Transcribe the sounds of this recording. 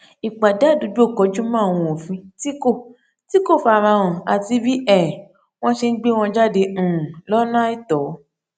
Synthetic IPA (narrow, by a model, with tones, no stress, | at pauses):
i˨k͡pa˨da˨˦˨du˨˦d͡ʒo˦˨kɔ˨˧˦d͡ʒo˦mãː˦˨w̃ɔ̃˧o˨fĩ˨˦ti˦ko˦˨ | ti˦ko˦˨fa˨ɾ̃ã˧w̃ɔ̃˨a˨ti˧bi˦ɛ˦˨ | w̃ɔ̃˦ʃe˧n̩˦ɡ͡be˦w̃ɔ̃˧d͡ʒa˦dẽ˧˨lɔ˦nã˦i˦˨tɔ˨˦